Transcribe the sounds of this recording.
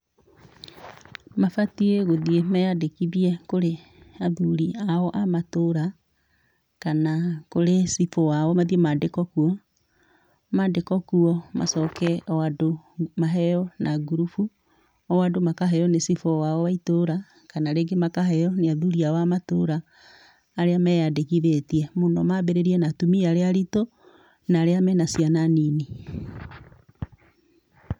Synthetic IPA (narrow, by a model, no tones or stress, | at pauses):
mafatieɣoðiemɛjadekiβiɛkoɾe | aðuɾiaɔʔamatoɾa | kanakoɾesifɔwaɔmaðiemadekɔkuɔ | madekɔkuɔmʔa̰sɔkɛwadomaɦɛjɔnʔaɡuɾufu | ɔwadomakaɦɛjɔnesifɔwawɔwaitoɾa | kanaɾeɡemakaɦɛjɔneaðuɾiawamatoɾaː | ɾeamɛjadekiðetiɛmonɔmabeɾeɾiɛnatumiaɾeaɾito | naːɾeamɛnasiananini